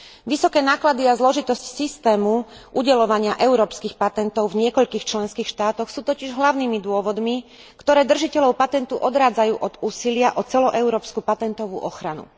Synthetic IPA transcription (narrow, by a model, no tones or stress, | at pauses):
ʋisɔkɛːnaːklad̪iazlɔʒit̪ɔscsist̪ɛːmu | ʔuɟɛlɔʋaɲɪaʔɛʊɾɔːpskixpat̪ɛnt̪ɔʊvɲɪɛkɔʎkiːxt͡ʃlɛnskiːxʃt̪aːt̪ɔxsuːt̪ɔciʒɦlaʊniːmid̪ʊɔʋɔd̪mi | kt̪ɔɾɛːd̪r̩ʒicɛʎɔʊpat̪ɛnt̪uʔɔd̪ɾaːd͡zajuːʔɔd̪uːsilɪaʔɔt͡sɛlɔʔɛʊɾɔːpskupat̪ɛnt̪ɔʋṵʔɔxɾanṵ